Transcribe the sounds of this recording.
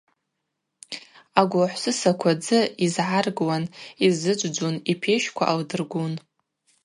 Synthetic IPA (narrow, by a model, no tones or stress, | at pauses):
aɡʷaħʷsɨsakʷʰad͡zɨizʕarɡwanizɨd͡ʒʷʼd͡ʒʷunipʰeʃkʷʰa̰ʔaldɨrɡʷun